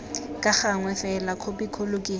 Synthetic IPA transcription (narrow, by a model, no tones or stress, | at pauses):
kʼaχaŋwɛfɛlakʰobikʰolokʼɪ